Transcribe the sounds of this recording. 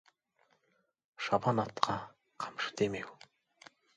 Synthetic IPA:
ʃɑbɑnɑt̪qʰɑ | qʰɑ̥mʃɨ̥d̪emew

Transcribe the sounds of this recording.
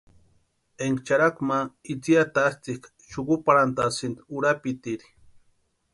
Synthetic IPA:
eŋɡt͡ʃaɾakmait͡siat̪aːst͡s̪ik | ʃukupaɾant̪asint̪uɾapit̪iɾi̥

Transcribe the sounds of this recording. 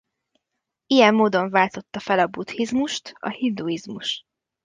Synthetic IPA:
ijɛmːoːd̪o̞ɱvaːlt̪o̞t̪ːɒfɛlɒbut̪hizmuʃt̪ɒ̰hind̪uizmuʃ

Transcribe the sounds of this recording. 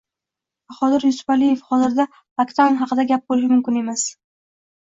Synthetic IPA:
χɒd̪ɪɾjʊsʊ̥falijefhɒzɪɾd̪a | bakt̪ʰanɦɑqɨd̪aɡʲap̚bolɪʃ̬ɪmʊmkʲɪne̞mas

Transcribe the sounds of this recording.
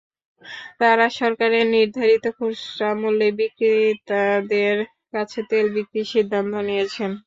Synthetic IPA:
t̪aɾaʃɔɾkaɾeɾniɾd̪ʱaɾit̪okʰuʃɾamolːebikɾit̪ad̪eɾ | kat͡ɕʰet̪elbikɾiʃid̪ʱːant̪onijet͡ɕʰen

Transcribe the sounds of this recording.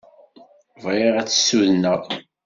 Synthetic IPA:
vʁeʁæt͡sːə̥sːuðnəʁ

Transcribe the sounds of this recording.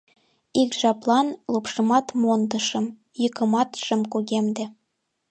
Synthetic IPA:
ikʒɑplˠɑnlˠupʃɤ̆mɑt̪mond̪ɤ̆ʃɤ̆m | jɤkɤ̆mɑt̪ʃɘ̆mkuɣʲemd̪ĕ

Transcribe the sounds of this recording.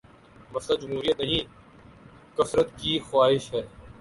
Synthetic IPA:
məsləd͡ʒʊmɦuːɾijət̪nɐɦĩː | kəsɾət̪kiːxʊwaːɦɪʃɦɛː

